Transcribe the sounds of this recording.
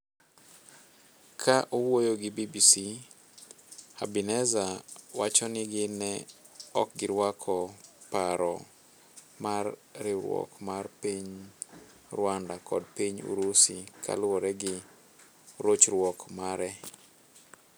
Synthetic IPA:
kʰaʔowojoɡɪbibisi | a̰binɛzawat͡ʃɔnɪɡɪnɛ | ɔ̰k̚ɡɪɾwakʰɔpaɾɔ | marːɪɾwɔ̰kmarpiɲ | rwandakɔ̰dpiɲṵɾusikʰa̰lʊwɔɾɛɡɪ | ɾot͡ʃɾwɔkmaɾɛ

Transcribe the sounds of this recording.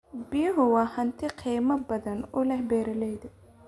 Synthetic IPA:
bijɦʊwɑːhɐnt̪ʰɪqʰiːmɐbɐðɐnʊlɛhbɛːɾɐlɛjd̪ɪ

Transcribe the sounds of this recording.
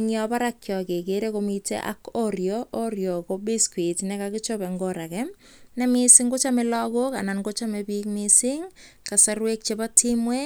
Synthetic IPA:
ŋjɔpaɾakjɔkekeɾekomitḛʔa̰koɾjoʔorjokobiskwitnɛkakɪt͡ʃobɛŋɡoɾakɛ | nɛmɪsɪŋɡot͡ʃamelɔkokanankot͡ʃamebik̚misɪŋ | kasarwek̚t͡ʃebatʰimwe

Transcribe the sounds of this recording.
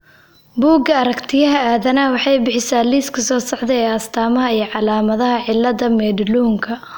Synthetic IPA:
buːɡɐɐɾɐkt̪ʰɪjɐɦɐaːðɐnɐwɑħɑjbɪħɪsaːliːskʰɐsɔːsɑʕd̪ɛɛːɐst̪ʰaːmɐɦɐijɞʕɑlaːmɐðɐɦɐʕɪlːɐðɐmɛːɖluːŋkʰɐ

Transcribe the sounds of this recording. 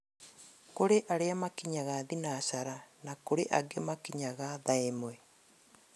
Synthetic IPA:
koɾeʔaɾeamakiɲaɣaðinaʃaɾanakoɾeʔaɡemakiɲaɣaðaemwɛ

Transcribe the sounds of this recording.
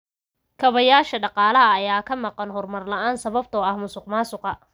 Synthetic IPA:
kʰɐβɐjaːʃɐɖɑqɑːlɐɦɐːjaːkʰɐmɑqɑnɦɔrmɐrlɐʔaːnsɐβɐb̚t̪ʰɔɐhmʊsʊqmaːsʊqɑ

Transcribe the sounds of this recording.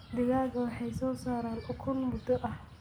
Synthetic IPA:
d̪ɪɣaːɣɐwɑħɑjsɔːsaːɾaːnʊkʰʊnmʊd̪ɔʔɐh

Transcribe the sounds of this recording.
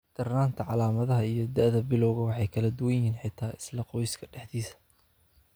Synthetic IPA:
d̪̥ɐrnaːnt̪ʰɐʕɑlaːmɐðɐɦɐijɞd̪ɐʔðɐbɪlɔwɣɐwɑħɑjkʰɐlɐd̪ʊwɐjɪɦiːnħɪt̪ʰaːʔɪslɐqɔjskʰɐɖɛħd̪iːsɐ̥

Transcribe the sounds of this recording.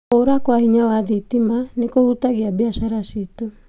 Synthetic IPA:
oɾakwahiɲawaðitimanekohutaɣiabiaʃaɾasito

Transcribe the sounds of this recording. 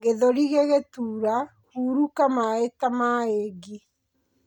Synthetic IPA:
ɣeðoɾiɣeɣetuːɾa | huːɾukamaetamaeɡi

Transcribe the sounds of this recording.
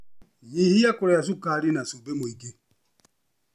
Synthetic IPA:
jiɦijakʷʊɾajas̬ukaɾɪnasobemoike

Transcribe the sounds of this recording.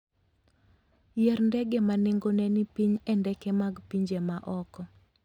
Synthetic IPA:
jɛɾndɛɡemanɪŋɡonɛnipiɲɛndɛkɛmaɡpiɲd͡ʒemaʔɔkɔ

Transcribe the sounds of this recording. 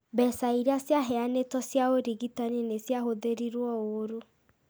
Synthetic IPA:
bɛsaiɾasjaɦɛanetɔsjaoɾiɣitaninesjaɦoðeɾiɾwɔoɾo

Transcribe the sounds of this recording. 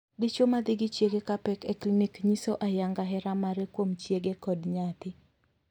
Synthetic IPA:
dit͡ʃomad̪ɪɡɪt͡ʃjeɡekapɛkɛklinikɲisoʔajaŋɡaɦɛɾamaɾekwomt͡ʃjeɡekɔdɲat̪ɪ

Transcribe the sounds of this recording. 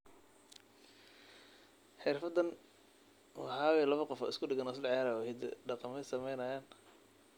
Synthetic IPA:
ħɪrfɐd̪ɐn | wɑħɑːwɛlɐβɐqɔfɔ̰ːɪskʰʊɖɪɡɐnɔs̬lʕjaːɾɐwhɛd̪̰ɖɑqɑmɛsɐmɛjnɐjaːn

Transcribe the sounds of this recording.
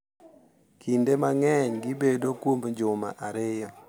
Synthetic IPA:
kindemaŋɛɲɡibedokwomɲd͡ʒʊma̰ʔaɾɪjɔ

